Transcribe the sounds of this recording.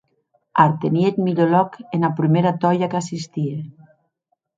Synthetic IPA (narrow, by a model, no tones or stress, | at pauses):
aɾt̪eniet̪miʎolɔkenapɾimeɾat̪ɔjakasist̪ie